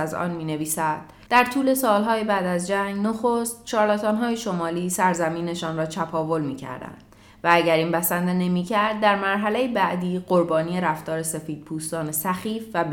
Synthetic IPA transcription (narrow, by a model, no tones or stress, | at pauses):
æzɒ̰ːnmiːne̞viːsæd̪̥̚ | d̪æɾt̪ʰuːle̞sɒːlɦɒːjebæːd̪æzd͡ʒæŋɡnoxost̪̚t͡ʃʰɒːɾlɑt̪ʰɒːnɦɒːjeʃo̞mɒːliːsæɾzæmiːne̞ʃɒːnrɒːt͡ʃ̪ʰæpʰɒːvo̞lmiːcʰæ̰ɾd̪æ̰nd̥̪ | vææɟæɾiːnpæsænd̪ene̞miːcʰæɾd̪̚ːæɾmæɾɦælejibæʔd̪iːɢo̞ɾbɒːnije̞ɾæft̪ɒːɾe̞se̞fiːd̪̥̚pʰuːst̪ɒːnesæxiːfvæb